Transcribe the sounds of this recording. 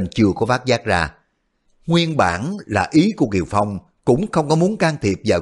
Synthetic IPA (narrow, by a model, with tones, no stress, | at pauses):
nt͡ɕɨ˧˩əkɔ˨˦faː˦˥t̚zaː˦˥k̚zaː˧˩ | ŋwi˧ənɓa̰ː˧˩nlaː˨˩ʔi˨˦ku˧˩əki˨˩əwfa˧˩wŋ͡m | kʊ̰˧˥ŋ͡mxə˧wŋ͡mkɔ˨˦mu˨˦ənkaː˧ŋt̪ʰi˨˩əp̚vaː˨˩